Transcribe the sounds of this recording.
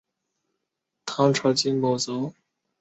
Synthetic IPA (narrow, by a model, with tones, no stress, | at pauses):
t̪ʰɑ˧˥ŋʈ͡ʂʰɑ˧˥t͡ɕi˥nmo˨˩ʊt͡so˧˥ʊ